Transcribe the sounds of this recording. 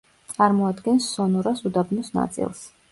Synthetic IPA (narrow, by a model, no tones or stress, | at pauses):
t̪sʼaɾmɔad̪ɡɛnsːɔnɔɾasud̪abnɔsna̰t̪sʼḭlˠs